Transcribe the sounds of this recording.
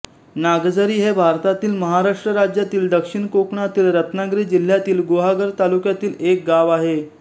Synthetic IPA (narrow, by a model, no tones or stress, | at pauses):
naɡd͡zəɾiːɦebʱaɾt̪at̪iːlməɦaɾaʂʈɾəɾad͡ʑjat̪iːld̪əkʂiɳkokɳat̪iːlɾət̪naɡɾiːd͡ʑil̤jat̪iːlɡoɦaɡəɾt̪alukjat̪iːlek̚ɡaʋaɦe